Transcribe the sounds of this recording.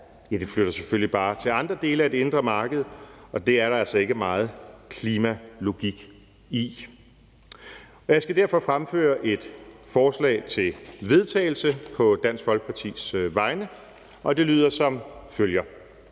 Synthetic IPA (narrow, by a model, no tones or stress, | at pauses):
jæd̥e̝fløɾ̥ɐseføllib̥ɑ̈ːt͡sʰe̝lɑ̈nd̥ʁɐd̥e̝ːləæde̝e̝nd̥ʁɐmɑ̈ːɡ̥əð̞̩ˠɒ̽d̥e̝æɐɾɑ̈ælsɒ̽e̝ɡ̥əmɑ̈ːð̞̩ˠkʰliːmælo̝ɡ̥iɡ̥ | i | ɒjɑ̈ɪsɡ̥æd̥æɐfɒ̽fʁamfø̰ːɐʔe̝d̥fɒːslɛ̰ːɪt͡sʰe̝lʋe̝ð̞ˠt͡sʰɛ̰ːɪl̩səpʰɒ̽d̥æn̰sɡ̥fɒ̽lɡ̥̚pʰɑ̈t͡sʰḭːsʋɑ̈ɪnə | ʔɒ̽d̥e̝lyːð̞̰ˠɐsɒ̽mføljɐ